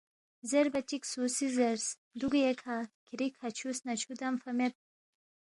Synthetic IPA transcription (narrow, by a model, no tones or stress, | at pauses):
zeɾbɐt͡ʃiksusizeɾs | d̪uɡjekʰakʰiɾikʰhat͡ʃʰusnɐt͡ʃʰud̪amfɐmet̪̚